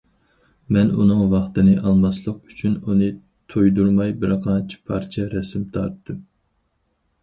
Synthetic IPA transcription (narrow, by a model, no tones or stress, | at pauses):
mɛnṵnɨŋvɑχt̪ɨnɨʔɑlˠmɑslˠəqy̥t͡ʃʰynunɨ | t̪ʰojd̪uɾmɑjbɪɾqʰɑnt͡ʃʰi̥pʰɑ̰ɾt͡ʃʰɛɾɛsɪmt̪ʰɑ̰ɾt̪ʰːɨm